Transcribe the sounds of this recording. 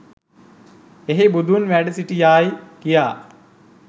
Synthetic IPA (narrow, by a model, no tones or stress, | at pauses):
eɦebud̪unʋæɖəsiʈijaːjkijaː